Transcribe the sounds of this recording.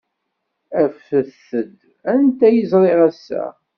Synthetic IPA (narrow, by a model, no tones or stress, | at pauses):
æfəθəd̪ | ænt̪æjəzɾˤeʁæsːæ̰